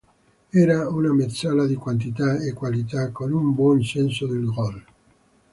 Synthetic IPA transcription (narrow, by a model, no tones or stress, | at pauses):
ɛːɾaunamet̪sːalad̪ikwant̪̬it̪aekːwalit̪akːonumbwɔnsɛnsod̪elɡɾɔl